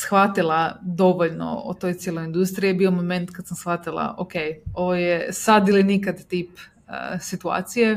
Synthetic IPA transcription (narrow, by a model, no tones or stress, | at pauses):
sxʋat̪ilˠad̪o̞ʋoʎno̰o̰t̪o̞jt̪sjelojind̪ust̪ɾijebiomome̞nt̪kad̪samsxʋat̪ilˠa̰ʔokejo̞ʋojesad̪ilinikad̪t̪iːp | ə̰sit̪ua̰ːt̪sije